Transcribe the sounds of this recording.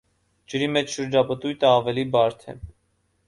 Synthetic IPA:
d͡ʒəɾimɛt͡ʃʰʃəɾd͡ʒɑpət̪ujt̪əɑvɛlibɑɾt̪ʰɛ̰

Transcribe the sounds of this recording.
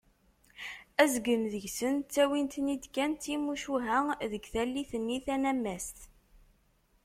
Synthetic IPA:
æzɡəmðəʝsənt͡sːæwint̪nid̪kænt̪imuʃuɦæðəɡθælːiθənːiθænæmːæst̪

